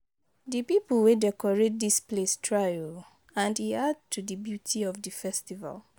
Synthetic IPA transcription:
ðɨpiplwedɛkɔɹet̚displestʰɹajɔl | ãndiad̚tʰudɨbjutʰiɔvdəfɛstiva̰l

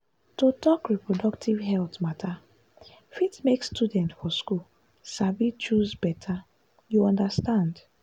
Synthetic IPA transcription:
totɔkɹipɹɔdɔktʰivɦɛltmatʰa | fitmekstʰudɛ̃ntfɔskul | savit͡ʃuzbɛtʰa | juɔ̃ndastãnd

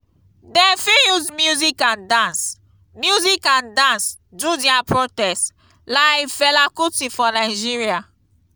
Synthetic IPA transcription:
dɛ̃fijuzmjuzikãndãns | mjuzikãndãns | dudiapɹotɛst | laɪjfɛlakutifɔnaɪd͡ʒiɹia

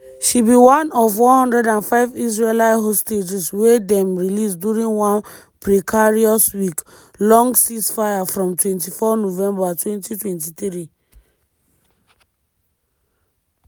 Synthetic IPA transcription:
ʃibiwãnɔvwɔ̃hɔ̃ndɹɛdãnfaɪvis̬ɹelaɪɦosted͡ʒiswedɛ̃mɹilis̬djuɹĩnwɔ̃n | pɹikʰaɹiɔswik | lɔ̃ŋɡsisfajafɹɔ̃mtwɛ̃ntifɔnovɛ̃mbatwɛ̃ntitwɛ̃ntiθɹi

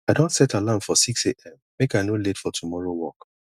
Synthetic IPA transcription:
aɪdõntsɛtalãmfɔsikseʔɛ̃m | mekaɪnoletfɔtʰumɔɹowɔk

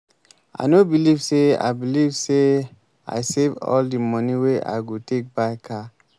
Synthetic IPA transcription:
a̰nobilivsea̰ɪbilivse | a̰ɪsevɔ̰ldimɔ̃niweʔa̰ɪɡotʰek̚baɪkʰa

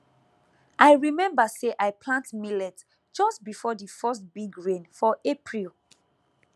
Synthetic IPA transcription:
ʔajɹimɛ̃mbəseʔajpʰlãntmilɛt | d͡ʒɔstbifɔdifɜstbiɡɹẽnfɔʔepʰɹilˠ

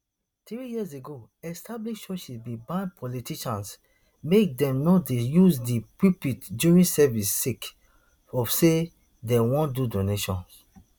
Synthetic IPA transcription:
tɹijiazeɡo | ɛstabliʃʃɔʃibibãpʰɔlitiʃãns | mek̚dɛ̃mnɔtdejuzdipipitdjuɹĩnsɛvisːik | ɔfse | dɛwɔ̃ndudoneʃɔ̰̃ns

